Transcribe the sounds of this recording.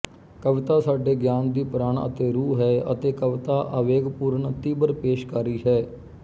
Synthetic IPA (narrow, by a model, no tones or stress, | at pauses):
kəʋɪt̪aːsaːɖeːɡjaːnd̪iːpəɾaːɳə̰t̪eːɾuːɦɛːə̰t̪eːkəʋɪt̪aːʔəʋeːɡpuːɾəɳt̪iːbəɾpeːʃkaːɾiːɦɛː